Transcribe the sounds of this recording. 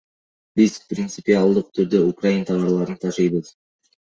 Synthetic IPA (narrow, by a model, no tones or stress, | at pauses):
bɪzprʲɪnt̪sɨpialˠd̪əq̚t̪ʰʏɾd̪øukrajint̪ʰɑvɑɾlˠɑɾənt̪ʰɑʒɯjbəz